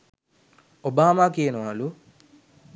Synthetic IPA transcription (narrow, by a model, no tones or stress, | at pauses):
obaːmaːkeːnɐʋaːlu